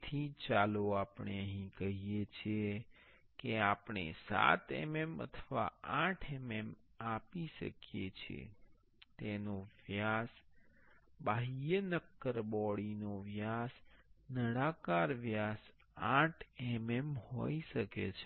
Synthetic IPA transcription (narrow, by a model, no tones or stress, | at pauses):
t̪ʰit͡ʃaloapɳ̃eəɦĩkəɦijet͡ʃʰe | keapɳ̃ḛsa̰t̪ḛmemə̰t̪ʰəʋa̰ãʈʰemem | apiʃə̰kjet͡ʃʰḛ | t̪enoʋjas | baɦijənəkːəɾbɔɽinoʋjasnəɽakaɾʋjas | ãʈʰememho̰iʃəket͡ʃʰe